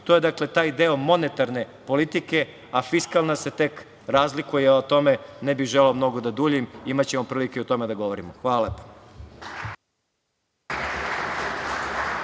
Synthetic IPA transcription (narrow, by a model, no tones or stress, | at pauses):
t̪oje̞d̪akle̞t̪aːjd̪eo̞mo̞net̪aɾne̞po̞lit̪ike̞ | afiskalˠnase̞t̪e̞k | ɾaːzlikujɛot̪o̞menebiɣʒeleomno̞ɡod̪ad̪uːʎimimat͡ɕe̞mopɾiːlikeut̪o̞me̞d̪aɡo̞ʋo̞ɾimoxʋaːlalepo̥